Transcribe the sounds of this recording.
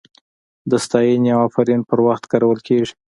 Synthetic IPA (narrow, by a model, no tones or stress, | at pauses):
d̪əst̪ɑjenjawafaɾinpəɾwaxt̪kɑɾawəlkeʐi̥